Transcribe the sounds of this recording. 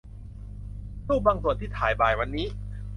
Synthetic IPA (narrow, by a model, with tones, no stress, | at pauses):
suː˥˩baː˧ŋsu˨˩ənt̪ʰiː˥˩t̪ʰaː˩˦jbaː˨˩jwa˧nːiː˦˥